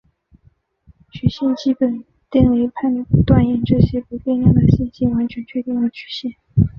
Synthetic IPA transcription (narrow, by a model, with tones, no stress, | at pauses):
t͡ɕʰy˨˩ɕji˥˧nt͡ɕi˥˩pə˨˩n | t̪i˥˩ŋwe˧˥ɪpʰa˥˧ly˧˩pu˧˥t̪wa˥˧njɛ˥˩nʈ͡ʂɤ˥˩ɕjɛ˥pu˧˥pɛ˥˧ni˥˩ŋd̪ə˨˩ɕɛ˥˧nt͡ɕi˥˩nwa˧˥nt͡ɕʰɥɛ˧˥nt͡ɕʰɥɛ˥˧t̪i˥˩ŋd̪ə˧˩t͡ɕʰy˨˩ɕjɛ˥˩n